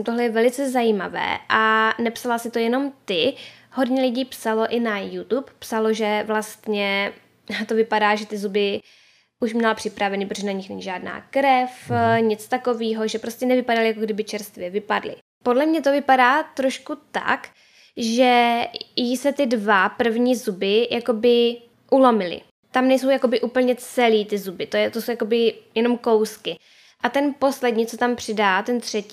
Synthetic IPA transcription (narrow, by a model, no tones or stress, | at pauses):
t̪oɦlɛjɛvɛlɪt͡sɛzajiːmavɛ̰ːʔanɛpsalasɪt̪o̞jɛno̞mt̪ɪ | hɦo̞dɲɛlɪɟiːpsalo̞ʔɪnajut̪uppsaloʒɛvlast̪ɲɛ | t̪o̞vɪpadaːʒɛt̪ɪzubɪ | ʔuʃmɲɛlpr̥ɪpɾʔavɛnipɾoʒɛnaɲɪxnɛɲiʒaːdna̰ːkɾɛfɲɪt͡st̪ako̞viːɦo̞ʒɛpɾo̞scɛnɛvɪpadalɪjakoɡdɪbɪt͡ʃɛɾst̪vjɛvɪpadlɪ̰ | po̞dlɛmɲɛt̪o̞vɪpadaːt̪ɾo̞ʃkut̪a̰k | ʒɛjɪsɛt̪ɪdvapr̩vɲiːzubɪjʔako̞bɪ | ʔulomɪlɪ̰ | t̪amnɛjso̞wjako̞bɪʔuːpl̩ɲɛt͡sɛliːt̪ɪzubɪt̪ojɛt̪osowjakobɪjɛno̞mko̞wskɪ | ʔat̪ɛnpo̞slɛdɲiːt͡sot̪ampr̝̥ɪdaːt̪ɛnt̪r̝̥ɛci